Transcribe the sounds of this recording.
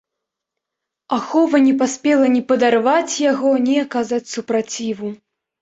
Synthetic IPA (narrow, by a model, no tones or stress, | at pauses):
axɔvɐnʲɛpasʲpʲɛlˠɐnʲipɐd̪arvat͡sʲjaɣɔnʲiakazat͡sʲsupɾat͡sʲivu